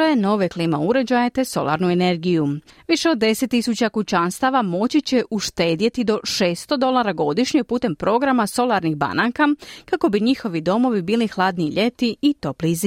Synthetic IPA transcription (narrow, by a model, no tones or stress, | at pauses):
eno̞ʋekliːmauɾe̞d͡ʑajet̪e̞so̞̰lˠa̰ɾnuene̞ɾɡijuʋiʃe̞o̞d̪̚ːe̞set̪ːisut͡ɕakut͡ɕanst̪aʋamo̞t͡ɕit͡ɕe̞ʔuʃt̪e̞ːd̪je̞t̪id̪o̞ʃeːst̪o̞d̪o̞lˠaɾaɡo̞d̪iʃɲepuːt̪e̞mpɾo̞ɡɾamaso̞lˠaɾnixba̰nakakako̞biɲixo̞ʋid̪o̞mo̞ʋibiːlixlˠaːd̪niʎe̞t̪iit̪o̞plizi